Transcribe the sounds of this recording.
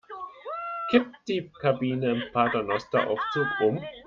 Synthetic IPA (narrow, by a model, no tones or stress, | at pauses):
kʰɪp̚td̥iːkʰabiːnəɪmpʰaːdanɔstɐʔa̰ʊft͡suːkʔʊm